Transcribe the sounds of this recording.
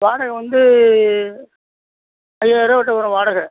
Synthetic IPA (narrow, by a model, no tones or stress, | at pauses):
ʋaːɽɐɣɐʋɐnd̪ɯ | ɐjɐɪɾɐʋɐʈːɐpɐːɾɐ̃ʋaːɽɐɣɐ